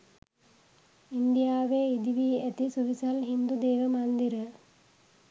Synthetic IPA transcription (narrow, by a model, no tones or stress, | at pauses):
inɖ̪ijaːʋeːid̪iʋiːæt̪isuʋisalɦind̪ud̪eːʋəmand̪iɾə